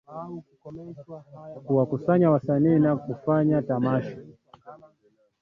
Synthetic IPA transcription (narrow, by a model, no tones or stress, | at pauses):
kuwakusaɲawasaniːnakufaɲatamaʃḁ